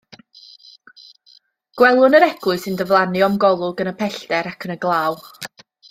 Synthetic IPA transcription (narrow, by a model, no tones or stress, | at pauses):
ɡ̥wɛlˠʊnəɾɛɡʊɨsɪndəvlˠanɨɔmɡɔlˠʊɡənəpʰɛɬdɛɾakʰənəɡlˠaːw